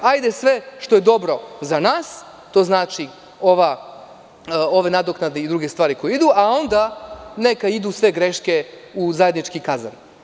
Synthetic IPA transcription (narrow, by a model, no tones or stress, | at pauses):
ajd̪e̞sʋe̞ʃt̪o̞je̞d̪o̞bɾo̞zanaːs | t̪o̞ːznaːt͡ʃi | o̞ʋa | o̞ʋe̞nad̪oknad̪neid̪ɾuɡe̞st̪ʋaːɾiko̞jeid̪uao̞nd̪ane̞kaid̪uːsʋe̞ɡɾeʃkeuzaje̞d̪nit͡ʃkikaza̰n